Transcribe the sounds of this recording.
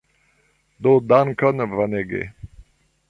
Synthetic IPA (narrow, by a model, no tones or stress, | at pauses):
d̪od̪ankənvaneɡḛ